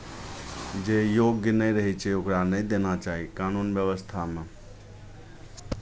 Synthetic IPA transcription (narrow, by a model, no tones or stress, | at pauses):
d͡ʒejoɡjənəiɾəɦit͡ʃʰɛokɾanəid̪enat͡ʃaːɦikaːnunbjəʋəst̪ʰamẽ